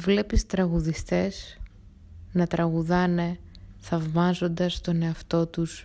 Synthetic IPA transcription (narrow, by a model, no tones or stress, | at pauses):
vle̞pist̪ɾɐɣuðist̪e̞s | nɐt̪ɾɐɣuðɐne̞ | θɐvmɐzo̞nd̪ɐst̪o̞ne̞ɐft̪o̞t̪us